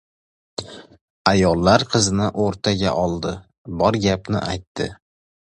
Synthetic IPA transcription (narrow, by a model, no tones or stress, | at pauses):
ajɒlˠːaɾqʰɨzɪnɪʔoɾt̪ʰaɡʲa̰ʔɒlˠd̪ɪ | bɒɾɡʲapnɪ̰ʔa̰jt̪ʰːɪ